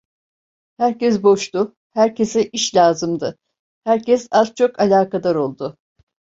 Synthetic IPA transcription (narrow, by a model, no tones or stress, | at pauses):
hæɾcɛs̬bo̞ʃt̪ʊ | hæɾcʰesɛʔiʃlʲaːzɯmd̪ɯ | hæɾcɛsazt͡ʃʰo̞kalʲaːkad̪aɾo̞lˠd̪ʊ